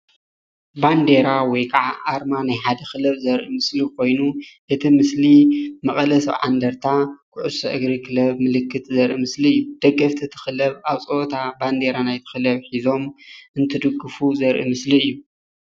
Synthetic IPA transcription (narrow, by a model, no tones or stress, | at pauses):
band̪e̞ɾawɔjkʰaʕaʔːɾmanajħad̪ɐxɨlɐβzɐɾʔimɨslikʰo̞jnuʔɨt̪ʰimɨslimɐχʼɐlɐsɐ̰βʕa̰nd̪ɐɾt̪ʰakʰʊʕusɐʔɨɡɾikɨlɐβmɨlɨkːɨt̪ʼzɐɾʔimɨsliɨjːud̪̥ɐɡːɐft̪ʰit̪ʰɨ̥xɨlɐβaβt͡sʼoot̪ʰaband̪e̞ɾanajt̪ʰɨ̥xɨlɐβħizo̞mʔɨnt̪ʰɨd̪ɨɡːɨfuzɐɾʔḭmɨsliɨjːu